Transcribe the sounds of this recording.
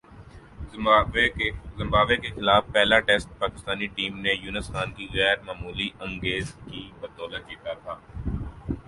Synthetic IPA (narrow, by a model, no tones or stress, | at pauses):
zɪ̃mbaːʋekexɪlaːfpɛːlaʈɛsʈ̚paːkɪst̪aːniʈiːmnejuːnəsxaːnkiɣɛːɾmaːmuːliʔɐ̃ŋɡeːzkibɐd̪oːlad͡ʒiːt̪at̪ʰaː